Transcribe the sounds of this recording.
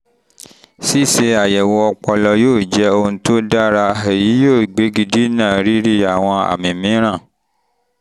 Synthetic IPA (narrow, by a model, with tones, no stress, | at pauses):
si˦˨se˧a˨jɛ˨wɔ˧ɔ˧k͡pɔ˧lɔ˧joː˦˨d͡ʒɛ˨˦o˧ũ˧˦to˦da˦ɾa˧e˨ji˨˦joː˦˨ɡ͡be˨˦ɡi˧di˦nãː˦˨ɾi˦ɾi˦a˨w̃ɔ̃˧a̰˨mĩ˨mĩ˨˦ɾ̃ã˦˨